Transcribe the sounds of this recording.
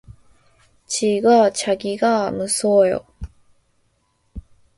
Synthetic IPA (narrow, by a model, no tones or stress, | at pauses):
t͡ɕiɡat͡ɕaɡiɡamɯs͈ʰojo̰